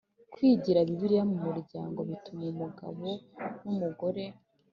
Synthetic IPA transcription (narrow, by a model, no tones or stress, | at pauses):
kwiːɟiɾaβiβiɾijamumuɾɟaːŋɡo̞βitumeumuɡa̰βo̞numuɡo̞ɾe̞